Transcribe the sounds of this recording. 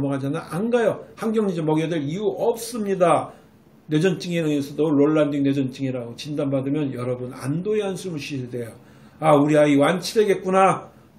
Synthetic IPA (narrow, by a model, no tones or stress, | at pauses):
mʌɡɦad͡ʑanaʔanɡajohaŋɡjʌŋɲid͡ʑʌmʌɡiadeɾiuʌp̚s͈ɯmɲida | ne̞d͡ʑʌnt͡ɕ͈iŋinɯŋesʰʌdoɾoɭːandiŋ̚ne̞d͡ʑʌnt͡ɕ͈iŋiɾaɡot͡ɕindanbadɯmjʌnjʌɾʌbuna̰ndoeɦansʰumuɕʰiede̞jo | auɾiaiwant͡ɕʰiɾe̞ɡe̞t̚k͈una